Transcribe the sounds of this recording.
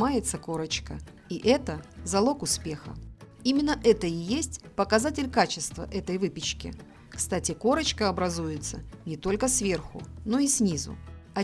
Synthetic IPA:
ajɪt̪səko̞ɾət͡ɕkə̰ | iʔɛt̪əzɐlˠo̞kʊspʲexə̰ | imʲɪnːəʔɛt̪əɪjesʲtʲpəkɐzatʲɪlʲkat͡ɕɪst̪və̰ʔɛt̪əjvɨpʲɪt͡ɕkʲɪ̰ | kst̪atʲɪko̞ɾət͡ɕkəɐbɾɐzujɪt̪sənʲɪt̪o̞lʲkəsvʲe̞rxʊ̰no̞isʲnʲizʊ̰ɐ

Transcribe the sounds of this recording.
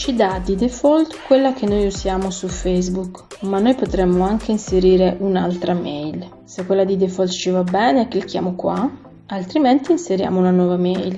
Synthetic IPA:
t͡ʃid̪ad̪id̪efɔlt̪kːwelːakenːojuzjaːmosufɛjzbukmanːojpot̪ɾɛmːoaŋkeinseɾiːɾeʔuna̰lt̪ɾamɛjl | sekːwelːad̪id̪efɔlt̪t͡ʃivabɛːneːkːelk̟ja̰ːmokwa̰ | alt̪ɾimɛnt̪iːnseɾja̰ːmounanwɔːvamɛjl

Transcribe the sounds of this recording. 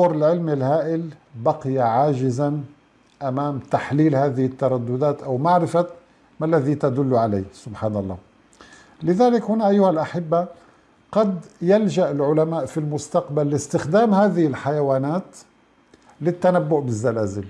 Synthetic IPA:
ɑɾˤɪlʕɪlmɪlhaːʔɪlbaqɪjaʕaːʒɪzan | ʔamaːmt̪aħliːlhaːðɪhɪt̪ːɑɾˤɑd̪ːʊd̪aːt̪ʔawmaʕɾɪfa | malːaðit̪ad̪ʊlːʕala̰jːsʊbħaːnɑlˤːɑ̰ː | lɪðaːlɪkhʊnaʔajːʊhalʔaħɪbːa | qɑd̪jalʒaʔɪlʕʊlamaːʔfilmʊst̪aqbalːɪst̪ɪxd̪aːmhaːðɪhɪlħajawaːnaːt̪ | lɪt̪ːanabːʊʔbɪzːalaːzɪl

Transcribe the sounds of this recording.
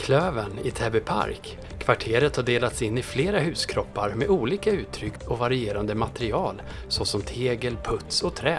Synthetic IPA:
kʰløːvənɪt̪ʰɛbɛpʰa̰ɾkʰː | v̥aʈʰeːɾət̪haɖeːlat̪sɪnːɪfleːɾaɦʉ̟ːskʰɾɔpːaɾmɛʔuːliːkaʉ̟ːt̪ʰːɾʏkt̪ɔvaɾɪeːɾand̪əmat̪ɛɾɪɑːl | sɔsɔmt̪ʰeːɡəlpʰɵt̪sɔt̪ʰɾɛː

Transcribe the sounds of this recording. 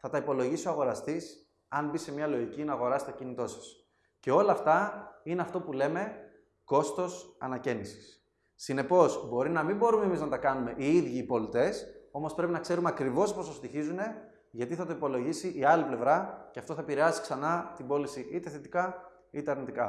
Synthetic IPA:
θɐt̪ɐipo̞lo̞ʝisio̞ɐɣo̞ɾɐst̪is | ɐnbise̞mɲɐlo̞ʝicinɐːɣo̞ɾɐset̪ecinit̪o̞sɐ̥s | ce̞o̞lɐːft̪ɐine̞ɐft̪o̞pule̞me̞ | ko̞st̪o̞sɐ̰nɐcenisi̥sː | ine̞po̞zbo̞ɾinɐmimbo̞ɾumemiznɐt̪ɐkɐnume̞ʔiiðʝiːpo̞lit̪e̞so̞mo̞spɾe̞pinɐkse̞ɾumeɐkɾivo̞sposɐst̪içizune̞ | ʝɐt̪iθɐt̪o̞ipo̞lo̞ʝisiʔiɐliple̞vɾɐceɐft̪oθɐpiɾeɐzi̥ksɐnɐt̪ibo̞lisiʔit̪e̞θe̞t̪ikɐ | it̪eɐɾnit̪ikɐ

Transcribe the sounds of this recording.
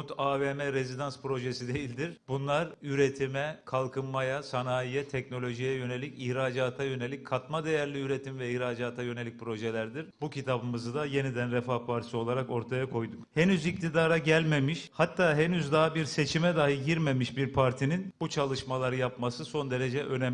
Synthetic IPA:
ut̪aːvemɛɾezid̪anspɾo̞ʒesid̪e̞jilʲd̪iɾbunlˠaɾyɾe̞t̪ʰimɛkʰalˠkʰɯnmajasanaːijɛt̪ʰɛcno̞lʲo̞ʒijɛjø̞ne̞lʲicihɾaːd͡ʒaːt̪ʰajø̞ne̞lʲic̚ʲkʰːat̪mad̪e̞jæɾlʲiyɾe̞t̪ʰimvɛihɾaːd͡ʒaːt̪ʰajø̞ne̞lʲic̚pɾo̞ʒelʲæɾd̪iɾbucʰit̪ʰabɯmɯzɯd̪aje̞nid̪ænɾɛfahpʰaɾt̪ʰi̥sio̞lˠaɾako̞ɾt̪ʰajakʰo̞jd̪umhenyzic̚t̪ʰid̪aːɾaɟælʲme̞miʃhat̪ːaːɦenyzd̪aɦabiɾse̞t͡ʃʰimɛd̪aːɦilʲɟiɾme̞miʃbiɾpʰaɾt̪ʰininbut͡ʃʰalˠɯʃmalˠaɾɯjapmasɯso̞nd̪e̞ɾe̞d͡ʒɛʔø̞nɛm

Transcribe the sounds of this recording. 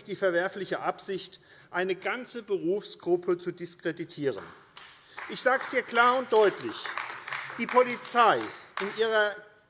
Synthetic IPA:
d̥iːfɛɐvɛɐflɪçəʔapz̥ɪçt | ʔaɪnəɡant͡səbəʁuːfsɡ̥ʁʊpʰət͡sudɪskʁ̥editʰiːʁ̞ə̰n | ʔɪçz̥aːɡəz̥iːɐkl̥aːɐʊnt̚d̥ɔʏtʰlɪç | d̥iːpʰolit͡saɪʔɪnʔiːʁ̞ɐ

